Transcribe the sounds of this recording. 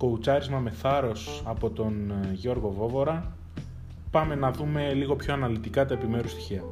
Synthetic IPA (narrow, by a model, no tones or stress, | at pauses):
ko̞ut͡sɐɾizmɐme̞θɐɾo̞sɐpo̞t̪o̞nʝo̞ɾɣo̞vo̞vo̞ɾɐ | pɐme̞nɐðume̞liɣo̞pço̞ɐnɐlit̪ikɐt̪ɐe̞pime̞ɾust̪i̥çiɐ